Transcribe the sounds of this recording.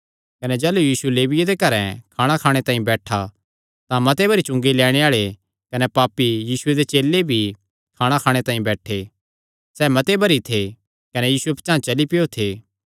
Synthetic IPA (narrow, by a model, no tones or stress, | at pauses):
kɐned͡ʒɛːlujiːsuleːʋɪjed̪ekɐɾɛ̃kʰaːɽ̃akʰaːɽ̃et̪ãːĩbɛːʈʰa | t̪ãmɐt̪ebʱɐɾit͡ʃʊ̃ŋɡilɛːɽ̃eaːɭe | kɐnepaːpːijiːsʊed̪et͡ʃeːlːebʱi | kʰaːɽ̃akʰaːɽ̃et̪ãːĩbɛːʈʰe | sɛːmɐt̪ebʱɐɾit̪ʰe | kɐnɛjiːsuepɐt͡ʃãːt͡ʃɐlipɪjot̪ʰeː